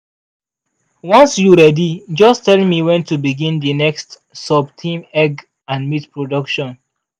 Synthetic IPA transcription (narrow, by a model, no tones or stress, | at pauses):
wɔ̃nsjuɹɛdid͡ʒɔstɛlmiwɛ̃ntubiɡĩndinɛkst | sɔbtʰĩmɛɡ | ãnmitpɹodɔkʃɔ̃n